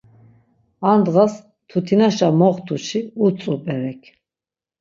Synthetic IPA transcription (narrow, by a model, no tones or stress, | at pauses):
and̪ʁas | t̪ʰut̪ʰinaʃamɔχt̪ʰuʃiut͡sʼupʼɛɾɛkʰ